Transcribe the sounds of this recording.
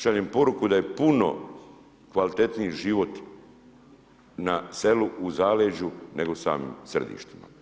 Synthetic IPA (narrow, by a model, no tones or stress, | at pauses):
ʃaːɲempo̞ɾukud̪aje̞puno̞̰ | kʋalit̪e̞t̪niiʒiːʋo̞t̪ | nase̞luuzaːleʒune̞ɡousa̰ːmḭmsr̩d̪ḭːʃt̪ima̰